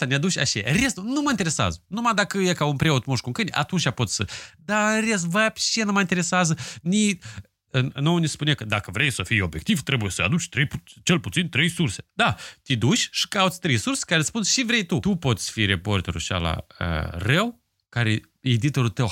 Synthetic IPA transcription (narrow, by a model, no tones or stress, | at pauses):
anead̪ut͡ʃʲa̰ʃaja̰ɾest̪unuməɨnt̪eɾe̞sa̰zənumad̪akəjekaunpɾeot̪moʂʃkuŋkɨnʲa̰t̪unt͡ʃʲapo̞t̪sʲsəd̪aɨnres̬vapʲʃienuməint̪eɾe̞seazəni | nnownispunekəd̪akəvɾe̞jsəfijo̞bje̞k̚t̪ivt̪ɾe̞bujesəa̰d̪ut͡ʃʲt̪ɾejput͡ʃe̞lput̪sint̪ɾe̞jsurse̥d̪at̪ʲid̪ut͡ʃʲʃi̥kawt̪sʲt̪ɾejsurse̥kaɾespunʃivɾe̞jt̪ut̪upo̞t̪sʲfiɾepo̞rt̪e̞ɾṵʃa̰la̰ə̰rəw | kaɾe | ed̪it̪o̞ɾut̪əw